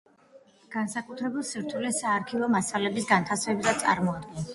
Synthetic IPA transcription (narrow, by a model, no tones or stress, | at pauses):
ɡ̥ansakʼut̪ʰɾɛbilˠsiɾt̪ʰulɛsaːɾkʰivɔmasalɛbisɡant̪ʰasvɛbzat̪sʼa̰ɾmɔad̪ɡɛn